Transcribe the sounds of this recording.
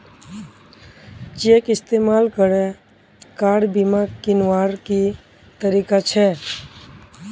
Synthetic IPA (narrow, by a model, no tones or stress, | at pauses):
t͡ʃekist̪emalkəɾɛ | kaɽbimakinwaɾki | t̪əɾikat͡ʃʰɛ